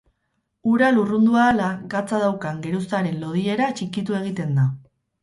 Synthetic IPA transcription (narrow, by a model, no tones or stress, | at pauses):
uɾalurund̪uaːlaɣat͡saðawkaŋɡe̞ɾusaɾe̞nlo̞ð̞ie̞ɾat͡ʃikit̪ue̞ɣ̞it̪e̞nd̪a